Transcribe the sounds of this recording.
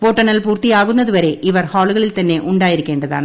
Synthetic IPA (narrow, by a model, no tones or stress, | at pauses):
poːʈːɐnɐlpuːrt̪ijaːɣunːɐðɯʋɐɾe̞ʔiʋɐrhaːɭuɣɐɭilt̪ɐnːe̞ʔuɳɖaːjiɾɯkːe̞ːɳɖɐða̰ːɳɨ